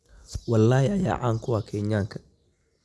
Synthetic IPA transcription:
wɑlːaːhiɐja̰ːʕaːŋkʰʊwaːkʰɛɲjaːŋkʰɐ̥

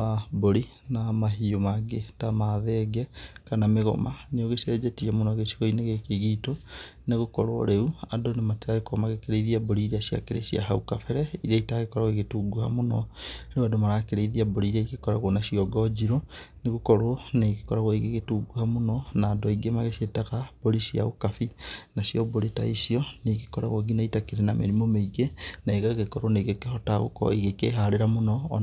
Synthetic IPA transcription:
aboɾi | namaɦiomaɡetamaðɛɡɛkanameɣo̰maneoɣesɛd͡ʒɛtiamonɔɣesi̥ɣɔineɣekeɣitoneɣokɔɾo̰ɾeuadonemateaɣekoɔmaɣekeɾeiðiaboɾiɾeasja̰keɾḛsia̰ɦaukafɛɾɛiɾaitaːɣekɔɾaɣeɣetuɡuha̰monɔɾeadomaɾakeɾeiðiaboɾiɾaikekɔɾaɣonasiɔɡɔd͡ʒiɾoneɣukɔɾonekekɔɾaɣoiɣeɣetuɡuhamonɔnaːdɔiɡemaɣesietaɣab̥oɾisia̰okafinasjɔboɾeta̰isiɔnekekɔɾa̰ɣoɡinaitakeɾenamḛɾimomeiɡenaeɣaɣekɔɾoneɣekehɔtaɣo̰kɔ̰iɣekeɦaɾeɾamonɔː

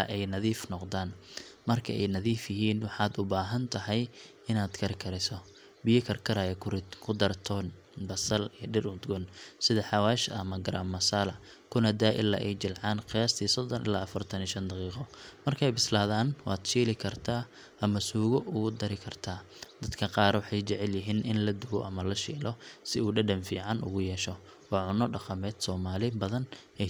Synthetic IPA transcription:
ʔɛjnɐðiːfnɔqd̪aːnmɐrkʰɐɛjnɐðiːfjɪɦiːnwɑħɑːd̪ʊbaːɦɐnt̪ʰɐɦɛj | ɪnaːd̪kʰɐɾɪkʰɐɾɪsɔ | bɪjɐkʰɐrkʰɐɾaːjɐkʰʊkʰʊd̪ɐrt̪ʰɔːn | bɐsɐlijɞɖɪrʊd̪ɡɔnsɪðɐħɑwaːʃɐ̰mɐɡɐɾaːmːɐsaːlɐ | kʰʊnɐd̪aːʔɪ̰lːa̰ːʔɛjt͡ʃɪlʕɑːnqɪjaːst̪ʰiːsɔd̪ɔnʔɪ̰laːɐfɐrt̪ʰɐniːʃɐnd̪ɐqiːqɔmɐrkʰɛjbɪslaːðaːnwɑːd̪ʃiːlɪkʰɐrt̪ʰaː | ʔɐmɐsuːɣɔʔʊɣʊd̪ɐɾɪkʰɐrt̪ʰaː | d̪ɐd̪kʰɐqɑːɾwɑħɑjt͡ʃɛʕɛljɪɦiːnʔɪnlɐd̪ʊɣɔʔɐmɐlɐʃḭːlɔsɪuːɖɐɖɐmfiːʕɑnʔʊ̰ɣʊjɛːʃɔ | wɑːʕʊnɔɖɑqɐmɛːd̪sɔːmaːlɪbɐðɐn | ɛ

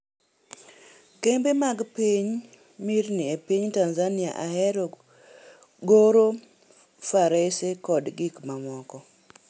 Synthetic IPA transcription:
kembemaɡpiɲ | mirnɪepiɲtanzanɪa̰ʔaɦɛɾɔ | ɡoɾo | faɾesekɔdɡikmamɔkɔ

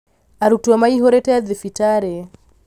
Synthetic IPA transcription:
aɾutuamaiɦɔɾɛtɛaðifitaɾɛ

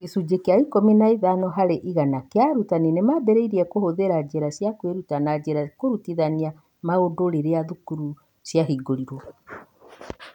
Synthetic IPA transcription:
kesud͡ʑekeaikominaiðanɔɦaɾeʔiɣanakeaɾutaninemabɛɾeiɾiɛkohoðeɾad͡ʑeɾasjakweɾutanad͡ʑeɾakoɾutiðania | maodoɾeɾeaðukuɾu | sjaɦiɡoɾiɾwɔ

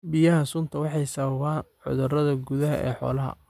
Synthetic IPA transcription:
bɪjɐɦɐsʊnt̪ʰɐwɑħɑjsɐβɐβaːnħʊ̰ðʊrɐðɐɡʊðɐɦɐʔɛ̰ːħɔ̰ːlɐɦɐ̰

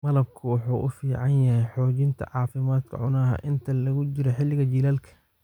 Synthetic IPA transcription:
mɐlɐb̚kʰɐwʊħuːʔʊfiːʕɑnjɐhɛjħɔːt͡ʃɪnt̪ʰɐ̰ʕɑːfɪmaːd̪kʰɐ̰ʕʊ̰naːɦɐ̰ʔɪnt̪ʰɐlɐɣʊt͡ʃɪɾɛħɪlːɪɣɐt͡ʃɪlaːlkʰɐ̥

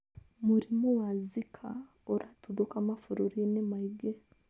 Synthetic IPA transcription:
muɾimowazikʰa | oɾʔatuðukamafuɾuɾinemaiɡe

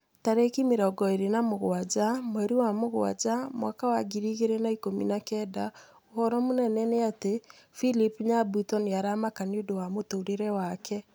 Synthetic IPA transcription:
taɾekimeɾɔɡɔeɾenamoɣwad͡ʒamwɛɾiwamoɣwa̰d͡ʒamwakawaɡiɾiɣeɾenaikomḭnakɛda | ohɔɾɔmonɛnɛneate | filipɲabutɔniaɾamakaniodowamotoɾeɾɛwakʰɛ

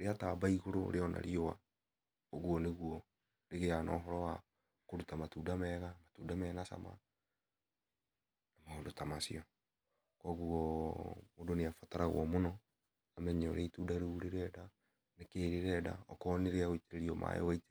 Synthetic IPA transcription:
ɾeataːbaiɣoɾo̰ɾeɔna̰ɾjowa̰ | oɣuɔneɣuɔ | ɾeɣeanɔːɦɔɾɔwa | koɾutamatudamɛːɣamatudamɛːnasa̰ma̰ | namaondotamasiɔ | kɔɣuɔmodoneafataɾaɣw̰ɔ̰monɔ | amɛɲɛɔɾeitudaɾeuɾeɾɛda | nekeːɾeɾɛda̰ɔkɔneɾeaɣoit͡ʃeɾeɾiɔmʔa̰ḛwaite̥

